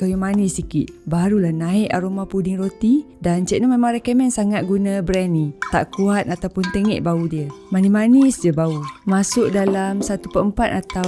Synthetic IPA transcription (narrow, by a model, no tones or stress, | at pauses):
kawumanisikit̪̚baɾulahnaiʔa̰ɾomapudɪŋrot̪i | dant͡ʃɛʔnomemãŋɾɛkəmɛnsaŋat̪̚ɡunəbɾɛnːĩt̪a̰ʔkuat̪̚at̪awpʊnt̪əŋɛ̰ʔbaudiəmanimanisd͡ʒəbaumasʊʔ̚dalamsat̪upəəmpat̪̚at̪a